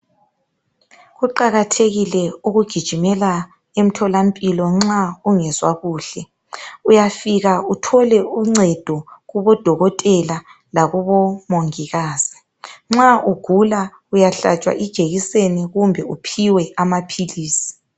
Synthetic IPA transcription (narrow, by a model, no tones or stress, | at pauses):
ɣuǃaɣatʰeɣilɛuɣuɡ̥ʱid̥ʒ̥ʱimɛla | em̩tʰɔlampʼilɔŋ͡ǁauŋɛzwa̰ɣuːɬɛ | ujafiɣautʰɔlɛuŋ͡ǀɛd̥ʱɔɣuβɔd̥ʱɔɣɔtʼɛla | laɣuβɔmoŋiɣaːz̥i | ŋ͡ǁaʔuɡ̥ʱula | ujaɬa̰t͡ʃʼwa̰ʔid̥ʒ̥ʱeɣiseniɣumbʱɛupʰiwɛamapʰiliːsi̥